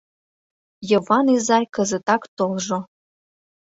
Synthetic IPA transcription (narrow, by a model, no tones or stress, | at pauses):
jɤ̆vɑnizɑjʲkə̆zĕt̪ɑkt̪olʒo